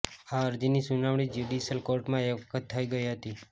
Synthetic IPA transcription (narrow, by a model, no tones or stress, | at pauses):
aəɾd͡ʒinisunaʋɽ̃id͡ʒuɖisəlkoɾʈmãeəkʰət̪ʰːəiɡəiɦət̪i